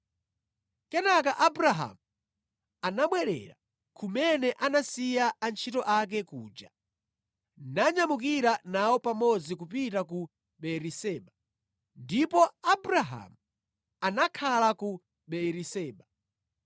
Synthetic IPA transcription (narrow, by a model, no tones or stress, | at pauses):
kɛnakaʔabɾaɦa̰mu | anaɓwɛɾɛ̰ɾa̰ | kʰumɛnɛʔanasijaːnt͡ʃʰitɔʔak̬ɛkuːd͡ʒa | naɲamuk̬iɾanawɔpamɔd͡zikupitaku | ɓɛɾisɛːɓa | ndipɔabɾaɦa̰mu | anakʰalaku | ɓɛɾisɛːɓa